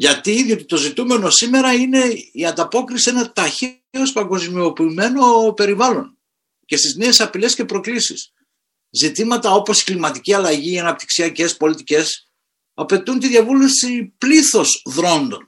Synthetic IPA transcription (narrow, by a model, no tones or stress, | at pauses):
ʝɐt̪iiðio̞t̪i̥t̪o̞zit̪ume̞no̞sime̞ɾɐine̞iɐnd̪ɐpo̞kɾisienɐt̪ɐçe | o̞spɐŋɡo̞zmio̞piːme̞no̞pe̞ɾivɐlo̞n | ce̞st̪izne̞ːsɐpile̞sce̞pɾo̞klisḭs | zit̪imɐt̪ɐo̞po̞si̥klimɐt̪iciɐlɐʝiːɐnɐp̚t̪i̥ksiɐce̞spo̞lit̪ice̞s | ɐpe̞t̪unt̪iðʝɐvule̞fsipliθo̞sðɾo̞nd̪o̞n